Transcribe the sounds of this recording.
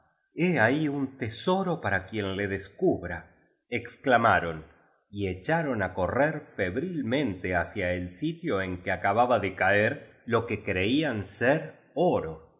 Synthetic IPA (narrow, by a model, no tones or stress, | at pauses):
eaiunt̪e̞soɾo̞paɾakje̞nle̞ðeskuβɾa | eksklamaɾo̞n | iet͡ʃaɾo̞nako̞reɾfe̞βɾilmẽ̞nt̪easjaelsit̪jo̞e̞ŋkeakaβaβaðekaeɾ | lo̞ke̞kɾeianseɾ | oɾo